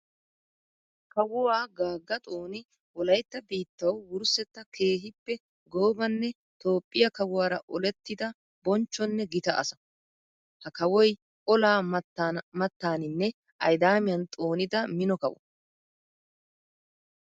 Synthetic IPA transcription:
kɐwʊwaːɡaːɡːɐt̪ʼo̞ːnɪ | wɔlɐjt̪ːɐbiːt̪ːɐwːʊɾsɛt̪ːɐkʰe̞ːɦɪpːɛ | ɡoːbɐnːɛ | t̪o̞ːpʼːɪjɐkɐwʊwaːɾɐʔɔlɛt̪ːɪd̪ɐ | bɔnt͡ʃːɔnːɛɡɪt̪ɐʔɐ̰sɐ | hɐkɐwɔj | ʔɔlaː | mɐt̪ːaːnɪnːɛ | ʔɐjd̪aːmɪjɐnt̪ʼoːnɪd̪ɐmɪnɔkɐwɔ̰

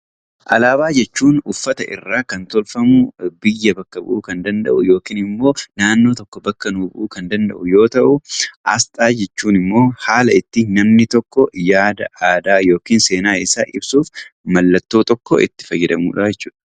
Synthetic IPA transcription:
ʔɐlaːbaːd͡ʒɛt͡ʃːuːnʊfːɐt̪ɐ̰ʔɪ̰rːaːkɐnt̪ɔlfɐmʊbɪjːɐbɐkːɐbʊ̰ʔuːkɐnd̪ɐnd̪ɐ̰ʔʊ̰jo̞ːkiːnɪmːo̞ːnaːnːoːt̪ɔkːɔbɐkːɐnubʔuːkɐnd̪ɐnd̪ɐ̰ʔʊjo̞ːt̪ɐʔʊʔɐ̰st̪ʼaːd͡ʒɛt͡ʃːuːnɪmːo̞ːhaːlɐɪt̪ːɪnɐmnɪt̪ɔkːɔjaːd̪ɐaːd̪aːjo̞ːkiːnse̞ːnaːɪsaːʔɪbsuːfmɐlːɐt̪ːoːt̪ɔkːɔ̰ʔɪ̰t̪ːɪ̥fɐjːɛd̪ɐmṵːᶑɐd͡ʒɛt͡ʃːuːᶑɐ̥

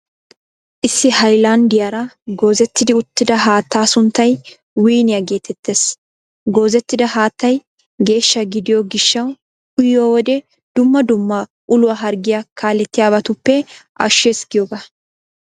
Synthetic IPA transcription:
ʔɪsːɪhɐjland̪ɪjaːɾɐɡo̞ːzɛt̪ːɪd̪ɪʊt̪ːɪd̪ɐɦaːt̪ːaːsʊnt̪ːɐj | wiːnɪjaɡe̞ːt̪ʰɛt̪ːe̞ːs | ɡo̞ːzɛt̪ːɪd̪ɐhaːt̪ːɐj | ɡe̞ːʃːɐɡɪd̪ɪjoɡɪʃːɐw | ʊjːoːwɔd̪ɛ | d̪̥ʊmːɐd̪ʊmːɐ | ʔʊlʊwaɦɐɾɡɪjakʰaːlːɛt̪ːɪjaːbɐt̪ʊpːɛʔɐ̰ʃːeːsɡɪjoːɡɐ

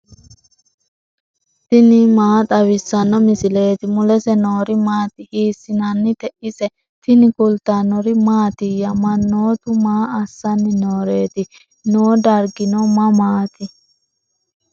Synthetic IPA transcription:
t̪ɪnɪmaːt̪ʼɐwɪsːɐnːɔmɪsɪle̞ːt̪ɪmʊlɛsɛnoːɾɪmaːt̪ɪhiːsːɪnɐnːɪt̪ɛʔɪsɛ | t̪ɪnɪkʊlt̪anɔɾɪmaːt̪ɪjːɐmɐnːoːt̪ʊmaːɐsːɐnːɪnoːɾe̞ːt̪ɪ | noːd̪ɐɾɡɪnɔmɐmaːt̪ɪ

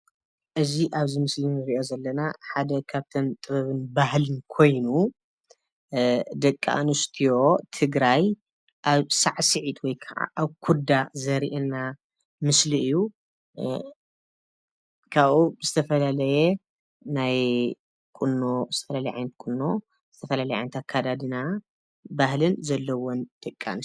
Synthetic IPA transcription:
ʔɨziʔaβzimɨslinɨɾiʔo̞zɐlːɐnaħad̪ɐkʰaβt̪ʰɐnt̪ʼɨβɐβɨnbahlɨnkʰo̞jnu | d̪ɐkʼːa̰ʔnust̪ʰijo̞t̪ʰɨɡɾaj | ʔaβsaʕsɨʕit̪wɔjkʰaʕa̰ʔaβkʰud̪azɐɾiʔɛnːa | mɨsliɨjːu | kʰaβuzɨt̪ʰɐfɐlalɐje | naj | kʼunːozɨ̥t̪ʰɐfɐlalɐjʕa̰jnɐt̪̚kʼunːo | z̥ɨt̪ʰɐfɐlalɐjʕa̰jnɐt̪ʰakʰːad̪ad̪ɨna | bahlɨnzɐlːɐwond̪̥ɐkʼːa̰nɨ

